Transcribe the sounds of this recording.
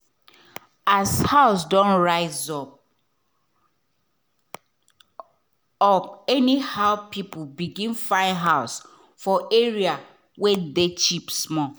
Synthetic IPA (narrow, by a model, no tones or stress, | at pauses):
ashaʊsdɔ̃nɹaɪzɔp̚ | ɔɛnihaʊpipubiɡĩnfãɪɦaʊs | fɔeɹia | wedet͡ʃipsmɔ